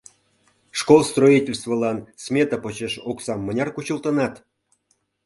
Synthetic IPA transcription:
ʂkolˠst̪roitʲelʲst̪vəlˠɑnsmʲet̪əpot͡ɕeʃoksɑmːə̆nʲɑrkut͡ɕulˠt̪ɤ̆nɑt̪

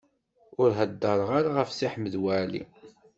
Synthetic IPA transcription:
ʊɾɦəd̪ːəɾˤəʁaɾaʁəfsiħməðwælḭ

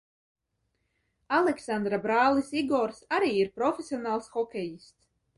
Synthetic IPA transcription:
alˠɛksand̪ɾabɾaːlˠisiɡɔɾsaɾiːiɾpɾɔfʲesʲiɔnaːlˠsxɔkʲejist̪s

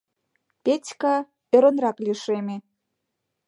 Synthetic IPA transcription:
pʲet͡sʲkɑ | ø̆ɾə̆nrɑklʲiʃemʲe

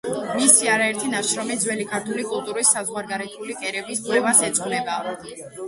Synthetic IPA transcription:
misiaɾaɛɾt̪ʰinaʃɾɔmid̪zwɛlikʰaɾt̪ʰulikʼulˠt̪ʼuɾisːazʁwaɾɡaɾɛt̪ʰulikʼɛɾɛbiskʼwɛvasɛt̪sʼχʼlɛba

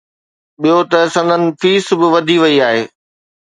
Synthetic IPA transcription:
ɓijot̪ɐsɐ̃nd̪ʱənɪ̆fiːsbɪʋɐd̪ʱiʋɐiaːɦeː

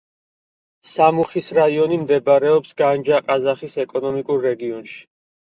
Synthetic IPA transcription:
samuχisɾaiɔnimd̪ɛbaɾɛɔpsɡand͡ʒaqʼazaχisɛkʼɔnɔmikʼuɾːɛɡiɔnʃi̥

